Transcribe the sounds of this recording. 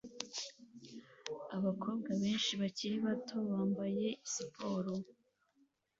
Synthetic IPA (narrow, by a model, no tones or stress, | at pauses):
aβakʰo̞ːbɡaβe̞ːnʃiβaciɾiβatʰo̞βaːmbaje̞isipʰo̞ːɾo